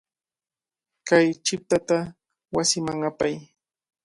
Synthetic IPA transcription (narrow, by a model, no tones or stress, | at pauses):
kajt͡ʃɪp̚t̪at̪a | wasɪmaŋapaj